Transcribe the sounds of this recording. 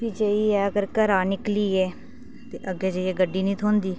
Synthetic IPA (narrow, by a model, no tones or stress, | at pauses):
biːd͡ʒəiːɛːəɡəɾkəɾaːnɪkliːɛː | t̪eʔəɡeːd͡ʒəiɛːɡəɖːiːnĩːt̪ʰoːnd̪iː